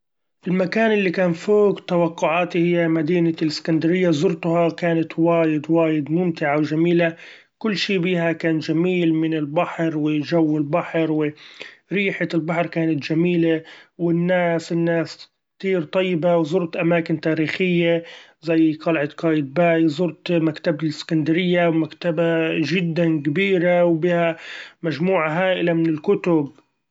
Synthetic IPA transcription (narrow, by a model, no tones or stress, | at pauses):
ʔɪlmakaːnʔɪlːikaːnfoːkt̪awɑqːʊʕaːt̪ihɪjːamad̪iːnalɪskand̪aɾɪjːazʊɾt̪ʊhakaːnat̪waːjɪd̪waːjɪd̪mʊmt̪ɪʕawʒamiːla | kʊlːʃiːbiːhakaːnʒamiːlmɪnɪlbaħɾwɪʒawːɪlbaħɾwɪɾiːħalbaħɾkaːnat̪ʒamiːlawɪnːaːsɪnːaːs | kt̪iːɾt̪ˤɑjːɪbawzˤʊɾt̪ʔamaːkɪnt̪aːɾiːxɪjːazajːq̪ɑlʕat̪kaːjɪd̪̚baːjzˤʊɾt̪makt̪abɪlɪskand̪aɾɪjːawmakt̪abaʒɪd̪ːankabiːɾawbiːhamaʒmuːʕaɦaːʔɪlamɪnɪlkʊt̪ʊb